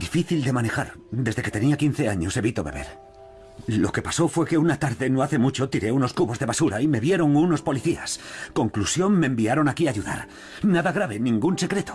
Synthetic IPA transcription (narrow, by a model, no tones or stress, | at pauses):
d̪ifiθild̪e̞mane̞xaɾ | d̪e̞zðe̞ke̞t̪e̞niakinθe̞aɲo̞se̞βit̪o̞βe̞̰βe̞̰ɾ | lo̞̰ke̞paso̞fwe̞ke̞unat̪aɾðe̞noaθe̞mut͡ʃo̞t̪iɾe̞uno̞skuβo̞zðe̞βasuɾaime̞βje̞ɾo̞ŋuno̞spo̞liθia̰sko̞ŋklusjo̞nme̞ːmbiaɾo̞nakiaʝuða̰ɾ | naðaɣɾaβe̞nĩŋɡunse̞kɾe̞t̪o̥